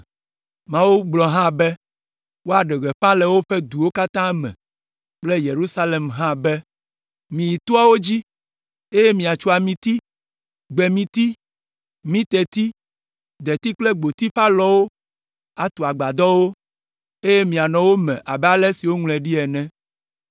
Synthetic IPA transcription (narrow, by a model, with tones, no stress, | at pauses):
mã˦wu˦ɡ͡blɔ˨ɦã˦bɛ˦ | wo˦a˨ɖɛ˨ɡɛ˨ɸã˦lɛ˨wo˦ɸɛ˦d̪u˨wo˦ka˦t̪ã˦mɛ̰̃˨ | k͡ple˦je˨ɾu˦sa˦le˨mɦã˦bɛ˦ | mĩ˨ji˨t̪u˦a˦wo˦d͡ʑi˦ | e˦je˦mĩ˨a˨t͡ʃu˦a˨mĩ˨t̪i˦ | ɡ͡bɛ˨mĩ˨t̪i˦ | mĩ˦t̪ɛ˨t̪i˦ | d̪ɛ˨t̪i˦k͡plɛ˦ɡ͡bo˨t̪i˦ɸa˦lɔ˦wo˦ | a˨t̪u˨a˨ɡ͡ba˨d̪ɔ˦wo˦ | e˦je˦mĩ˨a˨nɔ̃˨wo˦mɛ̰̃˨ʔa˨bɛ˦a˦lɛ˦si˨wo˦ŋlɛ˨ɖi˦ɛ˨nɛ̃˦